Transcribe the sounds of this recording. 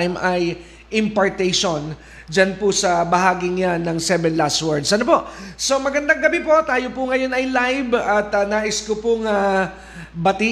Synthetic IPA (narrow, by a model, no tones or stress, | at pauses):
jmʔɐj | ʔɪmpɐɹt̪ɛjʃon | d͡ʒanpʊsɐbɐɦaːɡɪŋanɐŋsɛvɛnlaswɛɹd̪sʔɐnopo̞ʔso̞mɐɡɐnd̪aŋɡɐbipo̞t̪aːjopʊŋɐjo̞nɐjlajvɐt̪ɐnaːʔɪskopʊŋɐ | bɐt̪i